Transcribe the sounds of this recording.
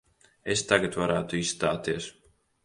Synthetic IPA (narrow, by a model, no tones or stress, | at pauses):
est̪aɡat̪vaɾaːt̪uisst̪aːt̪iɛs